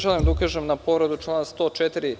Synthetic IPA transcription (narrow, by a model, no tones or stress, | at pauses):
ʒalimd̪aukaːʒemnapo̞ʋɾed̪ut͡ʃlˠaːnast̪oːt͡ʃet̪iɾi